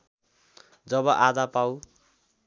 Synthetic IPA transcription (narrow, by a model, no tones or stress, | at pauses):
d͡zʌbʌʔad̪apaw